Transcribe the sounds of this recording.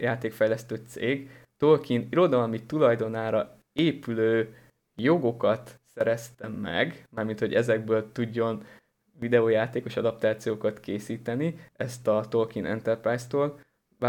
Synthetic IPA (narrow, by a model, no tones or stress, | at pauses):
jaːt̪eːkfɛjlɛst̪øːt̪sḛːɡ | t̪o̞lkiniɾo̞d̪ɒlmit̪ulɒjd̪o̞naːɾɒ | eːpyløː | jo̞ɡo̞kɒt̪sɛɾɛst̪ɛmːɛ̰ɡmaːrmint̪ho̞̰ɟɛzɛɡ̚bøːlt̪uɟːo̞n | vid̪ɛoːjaːt̪eːko̞ʃɒd̪ɒp̚t̪aːt̪sijoːkɒt̪keːsiːt̪ɛniɛst̪ɒt̪olkinʔɛ̰nt̪ɛrpraːjst̪oːl | va